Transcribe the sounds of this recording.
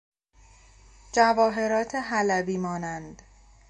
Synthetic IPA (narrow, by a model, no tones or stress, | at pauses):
d͡ʒævɒːɦe̞ɾɒːt̪ʰeɦælæbiːmɒːnænd̪̥